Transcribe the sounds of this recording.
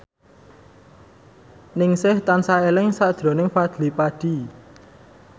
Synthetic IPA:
nɪŋsɪht̪ansaelɪŋsad̥ʒ̥ɾo̤nɪŋfad̪̥lipaɖ̥i̤

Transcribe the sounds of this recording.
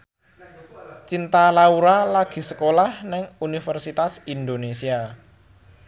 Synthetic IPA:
t͡ʃint̪alauɾalaɡ̥i̤səkolahnɪŋunifərsit̪asind̪onesia

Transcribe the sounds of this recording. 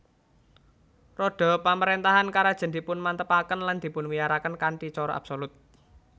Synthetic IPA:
rɔɖ̥ɔ̤paməɾent̪aɦankaɾad̥ʒ̥ə̤nd̪i̤pʊnmant̪əpakənland̪̥i̤pʊnwijaɾakənkaɳʈit͡ʃɔɾɔʔa̰b̥solʊt̪̚

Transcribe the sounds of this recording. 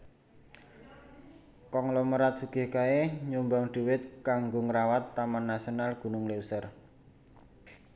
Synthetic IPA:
kɔŋlɔməɾat̪̚suɡ̥ɪ̤hkaeɲumbaŋɖ̪̥ṳwɪt̪̚kaŋɡoŋəɾawat̪ːamanːasionalɡ̥ṳnʊŋleusər

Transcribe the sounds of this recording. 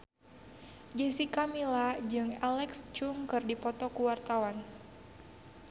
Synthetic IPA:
d͡ʒɛsikamilad͡ʒɨŋɛlɛkst͡ʃuŋkɨrdipɔt̪ɔkuwart̪awan

